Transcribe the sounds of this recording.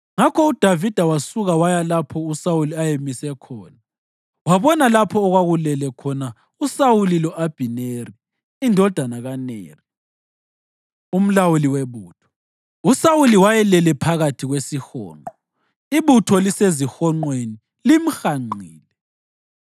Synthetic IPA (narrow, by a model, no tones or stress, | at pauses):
ŋakʰɔud̥ʱavid̥ʱawasuɣawajalapʰɔusawuliajemisɛkʰɔːna | waβɔnalapʰɔːɣwaɣulɛlɛkʰɔna | usawulilɔʔab̥ʱineri | indʱɔd̥ʱanaɣanḛːri | um̩lawuliweβuːtʰɔ̥ | usawuliwajɛlɛlɛpʰaɣatʰiɣwesixɔ̰ːŋ͡ǃʱɔ | iβutʰɔlisezixɔŋ͡ǃweni | lim̩xaŋ͡ǀʱiːlɛ